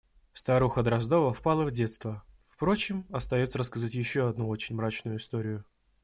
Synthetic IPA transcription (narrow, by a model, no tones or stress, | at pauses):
fst̪aɾuxəd̪ɾɐzd̪o̞vəfpalˠəvdʲe̞t̪st̪vəfpɾo̞t͡ɕɪmɐst̪ɐjo̞t̪səɾəskɐzatʲjɪɕːoɐd̪̚nuo̞t͡ɕɪnʲmɾat͡ɕnʊjʊɪst̪o̞ɾʲɪjʊ